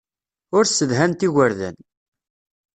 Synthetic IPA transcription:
ʊɾsːəðɦænt̪iɣəɾðæ̰n

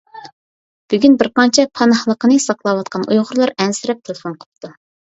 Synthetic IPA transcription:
b̥yɡʲynbɪɾqɑnt͡ʃʰɛpʰɑnɑχlˠəqənɨsɑqlˠɑwɑt̪qʰɑnṵjʁʊɾlˠɑɾɛnsɪɾɛp̚t̪ʰelˠɪfonqʰə̥t̪u

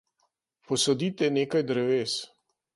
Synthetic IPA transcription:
pɔsɔd̪iːt̪ɛneːkajd̪ɾɛʋeːs

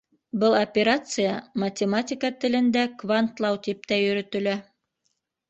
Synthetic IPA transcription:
bɤlˠɐpʲeɾat̪sɨjamɐtʲɪmatʲikət̪ɘ̆lɘ̆nd̪ækvant̪lˠɑwt̪ip̚t̪æjɵ̆ɾɵ̆t̪ɵ̆læ

